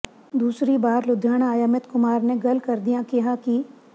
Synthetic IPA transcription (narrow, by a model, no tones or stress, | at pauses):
d̪uːsɾibaːɾlʊd̪ʱːjaːɽ̃aːjəmɪt̪kʊmaːɾneɡɐlkɐɾd̪ijãkiɦaki